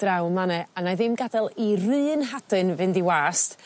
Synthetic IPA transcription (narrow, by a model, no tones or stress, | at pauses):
d̥rawmanɛanajðɪmɡadɛlˠirɨːnɦadɨnvɨndiwaːst